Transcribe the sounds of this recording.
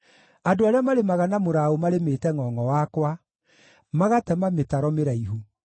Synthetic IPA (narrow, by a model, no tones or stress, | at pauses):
adoaɾeamaɾemaɣanamoɾaomaɾemeːtɛŋɔːŋɔwakwa | maɣatɛmametaɾɔmeɾaiɦu